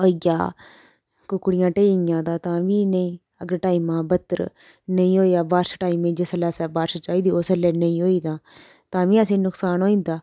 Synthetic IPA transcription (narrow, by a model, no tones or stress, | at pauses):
oːɡa̰ː | kʊkːɽɪjãːʈeːjãːd̪aːt̪ãːʋĩːnəĩː | əɡəɾʈaːiːmãːbət̪əɾ | nəĩːɦoːijaːbaːɾʃʈaːiːmẽːd͡ʒesəlɛːsɛːbaːɾst͡ʃaːiːd̪iːoːsəlɛːnəĩːɦoːiːd̪ãː | t̪ãːʋĩːəsẽːnʊksaːnɦoːĩːnd̪aː